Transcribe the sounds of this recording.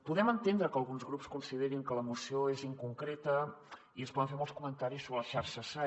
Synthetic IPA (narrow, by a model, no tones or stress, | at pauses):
puðɛmənt̪end̪ɾəkəlˠɣunzɣɾupskunsiðeɾiŋkələmusioeziŋkuŋkɾet̪ə | iənspɔðə̃ɱfemɔlˠskumənt̪aɾisːoβɾələʃaɾʃəsa